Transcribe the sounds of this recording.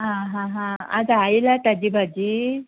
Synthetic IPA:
ɦãɦãɦãa̰d͡zailat̪ad͡ʑiːbʱad͡ʑiː

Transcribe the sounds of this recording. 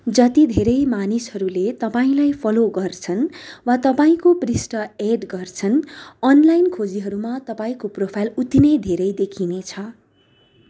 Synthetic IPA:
d͡zʌt̪id̪ʱeɾʌjmanishʌɾulet̪ʌpaĩlajpʰʌloɡʌrt͡sʰʌnwat̪ʌpaĩkoprisʈʌeɖɡʌrt͡sʰʌnʌnlajnkʰod͡ziɦʌɾumat̪ʌpaĩkopropʰajlut̪inʌjd̪ʱeɾʌjd̪ekʰinet͡sʰʌ

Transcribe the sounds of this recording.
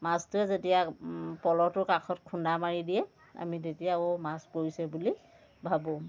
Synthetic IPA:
mastuɛzetijapɔlɔtʊkakʰɔtkʰundamaɹidijɛ | a̰mitetijaomaspoɹisɛbuli | bʱabo

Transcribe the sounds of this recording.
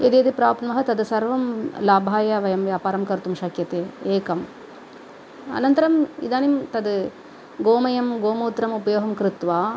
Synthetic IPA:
ed̪eːd̪ipɾaːpnɐmɐɦɐt̪ɐd̪sɐɾʋɐmlaːbʱaːjaʋɐjɐmʋjaːpaːɾɐmkɐɾt̪umʃɐkjɐt̪eːeːkɐm | ɐ̰nɐnt̪ɐɾɐmḭd̪aːnimt̪ɐd̪ | ɡoːmɐjɐmɡoːmoːt̪ɾɐmupɐjoːɦɐmkɾɪt̪ʋaː

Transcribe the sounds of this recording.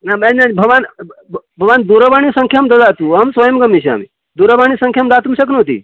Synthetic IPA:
naenanbʱɐʋaːn | bʱɐʋaːnd̪uɾəʋaɽ̃isɐ̃ŋkʰjamd̪ɐd̪aːt̪uɐmsʋəjəmɡɐmːit͡ʃʰea̰ːmḭ | d̪uɾəʋaɳ̃isɐ̃ŋkʰjamd̪at̪umʃɐknot̪ḭː

